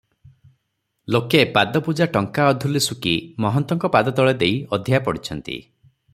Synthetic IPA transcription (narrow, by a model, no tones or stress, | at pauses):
lokepad̪ɔpud͡ʒaʈɔŋkaɔd̪ʱulisukimɔɦɔnt̪ɔŋkɔpad̪ɔt̪ɔɭed̪ejɔd̪ʱjapɔɽit͡ʃʰɔnt̪ḭ